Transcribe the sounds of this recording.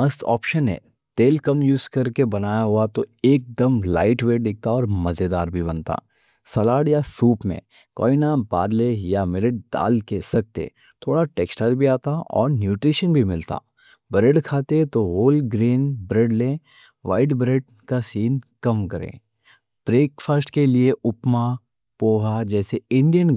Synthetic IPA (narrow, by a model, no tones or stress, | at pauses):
mɐstɔ̰ːpʃənɦḛ̃ː | t̪eːlkɐmjuːzkɐɾkebɐnaːjaɦʊat̪oeːk̚d̪əmla̰ːɪʈʋeːd̪ɪk̚t̪aɔːɾmɐd͡ʒed̪aːɾbʱibɐnt̪a̰ː | sɐlaːɽjasuːpmḛ̃ | kɔ̰ːɪnabaːɾlejamɪlɪʈ̚d̪a̰ːlkesɐk̚t̪ḛː | t̪ʰoːɽaʈeːksʈəɾbʱiaːt̪aɔ̰ːɾnjuːʈɾiʃənbʱimɪlt̪a̰ | bɾeːɖkʰaːt̪et̪oɦoːlɡɾiːnbɾeːɖlẽː | ʋa̰ːɪʈbɾeːɖ | kasiːnkɐmkɐɾḛ̃ː | b̥ɾeːkfʰaːsʈkelieʊpma | poːɦad͡ʒɛːseɪ̃ɳɖijən